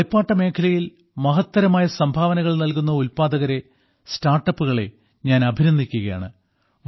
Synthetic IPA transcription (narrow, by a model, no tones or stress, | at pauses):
jpːaːʈːɐme̞ːkʰɐlɐjil | mɐɦɐt̪ːɐɾɐmaːjɐsɐmbʱaːʋɐnɐɣɐɭnɐlk̬unːɐulpaːd̪ɐɣɐɾe | staːrʈːɐpːuɣɐɭe̞̰ | ɲaːnɐbʱinɐnd̪ʱikʲːuɣɐja̰ːɳɨ